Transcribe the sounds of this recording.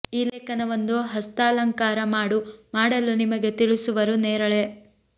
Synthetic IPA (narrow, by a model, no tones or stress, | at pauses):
iːleːkɐnɐʋond̪uɦɐst̪aːlɐŋkaːɾɐmaːɽumaːɽɐlunimɐɡe̞t̪iɭisuʋɐɾuneːɾɐɭe̞